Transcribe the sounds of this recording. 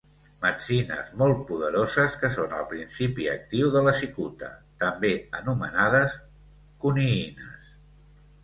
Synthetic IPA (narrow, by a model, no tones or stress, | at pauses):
mət͡sinə̰zmɔlˠt̪̚puð̞əɾozəskəsonə̰lˠpɾinsipiə̰k̚t̪iwðələsikut̪ə̰t̪əmbeənumənað̞əs | kuniinə̰s